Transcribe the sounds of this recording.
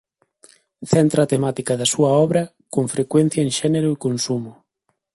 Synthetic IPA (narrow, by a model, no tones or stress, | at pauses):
θɛnt̪ɾaːt̪emat̪ikɐðɐsuɐɔβɾɐ | koŋfɾekwen̟θjɐeŋʃɛneɾʊikonsumʊ